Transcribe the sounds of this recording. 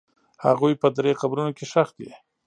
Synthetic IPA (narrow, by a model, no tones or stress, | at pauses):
ha̰ɣujpəd̪ɾexabɾunokeʃaxt̪̚d̪e